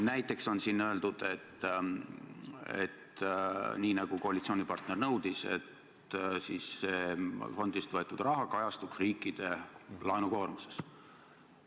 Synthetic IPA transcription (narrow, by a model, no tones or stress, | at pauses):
næjt̪ːˑe̞kso̞nsinːøe̞ld̪ud̪̥e̞t̪ː | ḛt̪ | niːnɑɡ̥uko̞hɑlit̪sio̞ːnʲipɑrt̪ne̞rnɤwd̪̥ise̞̰t̪ | siːsːeːfo̞nd̪̥ist̪voe̞t̪ːˑud̪̥rɑɦɑkɑjɑst̪uksriːkːˑid̪̥e̞lɑenuko̞ːrmuse̞̥s